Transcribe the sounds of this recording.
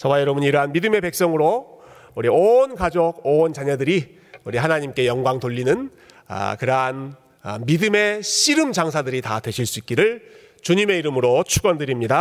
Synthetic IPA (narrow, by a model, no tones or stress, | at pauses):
t͡ɕʌwajʌɾʌbuɲiɾɦanmidɯme̞pe̞k̚s͈ʌŋɯɾo | uɾionkad͡ʑoɡont͡ɕaɲʌdɯɾi | uɾiɦanaɲimk͈e̞jʌŋɡwaŋtoʎːinɯn | a̰kɯɾʌɦan | midɯme̞ɕʰiɾɯmt͡ɕaŋsʰadɯɾitadwe̞ɕʰiɭs͈uik͈̚iɾɯɭ | t͡ɕuɲime̞iɾɯmɯɾot͡ɕʰuɡʌndɯɾimɲida